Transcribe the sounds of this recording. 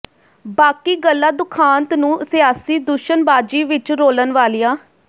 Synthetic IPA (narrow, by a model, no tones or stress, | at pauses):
baːkiːɡəlːaːd̪ʊkʰaːnt̪nũːsɪjaːsiːd̪ʊʃənbaːd͡ʒiːʋɪt͡ʃɾoːlənʋaːlijãː